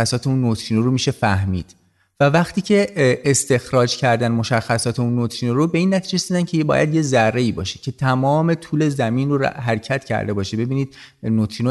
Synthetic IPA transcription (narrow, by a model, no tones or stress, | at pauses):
æsɒːt̪ʰe̞uːnːot̪ʰɾiːnoɾomiːʃe̞fæhmḭːd̪̥ | vævæχt̪ʰiːcʰe̞ːst̪e̞xɾɒːd͡ʒcʰæɾd̪ænmo̞ʃæxːæsɒːt̪ʰeunːot̪ʰɾiːnoɾobe̞iːnːæt̪ʰiːd͡ʒesd̪id̪æncʰebɒ̰ːjæ̰d̪je̞zærːe̞iːbɒ̰ːʃecʰe̞t̪ʰæmɒːme̞t̪ʰuːle̞zæmiːnroɾɦæɾcʰæt̪cʰæ̰ɾd̪e̞bɒːʃebe̞biːniːd̪̥̚not̪ʰɾiːno